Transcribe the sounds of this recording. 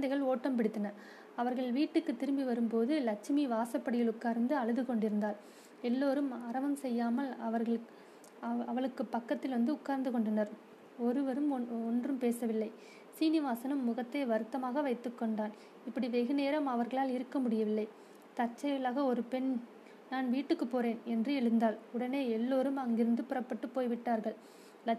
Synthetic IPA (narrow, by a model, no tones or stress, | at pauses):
nd̪ɐɪɣɐɭoːʈːɐmpɪɽɪt̪ːɐnɐɾ | ɐʋɐɾɣɐɭʋiːʈːɯkːɯt̪ːɪɾɯmbiʋɐɾɯmpoːðɯlɐk̚t͡ʃɪmiʋaːsɐpːɐɽɪjɪlʊkːaːɾnd̪ɯɐɭɯðɯkɔɳɖɪɾɯnd̪aːl | ɛlːoːɾɯmɐɾɐʋɐmsɛjːaːmɐlɐʋɐɾɐɭ | ɐʋɐɭɯkːɯpːɐkːɐt̪ːɪlʋɐnd̪ɯʊkːaːɾnd̪ɯkɔɳɖɐnɐɾ | ɔɾɯʋɐɾɯmɔɔndrɯmpeːsɐʋɪlːɐɪ | siːnɪʋaːsɐnɯmːʊɣɐt̪ːɐɪʋɐɾɯt̪ːɐmaːɣɐʋɐɪt̪ːɯkːɔɳɖaːn | ɪpːɐɽiʋɛɣɯneːɾɐmɐʋɐɾɣɐɭaːlɪɾɯkːɐmʊɽɪjɐʋɪlːɐɪ | t̪ɐt͡ʃːɐjɪlaːɣɐɔɾɯpɛn | naːnʋiːʈːɯkːɯpːoːreːnɛndrɯɛɭɯnd̪aːlʊɽɐneːɛlːoːɾɯmɐŋɡɪɾɯnd̪ɯpʊrɐpːɐʈːɯpːoːjʋɪʈːaːɾɣɐɭ | lɐ